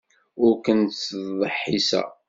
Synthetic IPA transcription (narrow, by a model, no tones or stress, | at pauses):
ʊɾkənðˤəħːisæ̰